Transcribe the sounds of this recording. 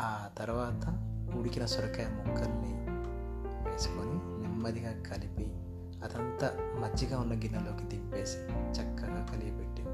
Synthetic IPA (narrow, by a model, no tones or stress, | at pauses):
aːt̪ɐɾʋaːt̪ɐuɽikinɐsɔɾɐkɐjɐmukʰːɐnːi | ʋeːsu̥koninimːɐd̪ʱiɡaːkʰɐlipi | ɐt̪ɐnt̪ɐmɐt͡ʃːiɡaːunːɐɡinːɐlo̞ːkit̪ipːe̞ːsi̥t͡ʃɐkːɐɡaːkɐliɡibeɖːi